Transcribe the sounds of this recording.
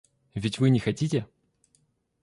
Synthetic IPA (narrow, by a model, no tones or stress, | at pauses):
vʲɪtʲvɨnʲɪxɐtʲitʲɪ